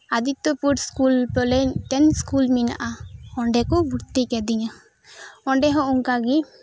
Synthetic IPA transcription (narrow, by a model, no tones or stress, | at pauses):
ad̪it̪ɔpuʈskulpɔlɛt̪ɛnskulmina̰ʔaɔɳɖɛkɔbʱuɾt̪ikɛd̪iɲa | ɔɳɖɛɦɔ̃ʔuŋkaɡi